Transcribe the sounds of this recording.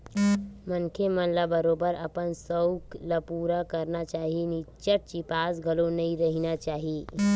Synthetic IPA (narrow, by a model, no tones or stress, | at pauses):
mənkʰemənlabəɾobəɾəpənsəwklapuɾakəɾnat͡ʃaːɦinit͡ʃəʈ̚t͡ʃipasɡʱəlonəiɾəɦinat͡ʃaːɦi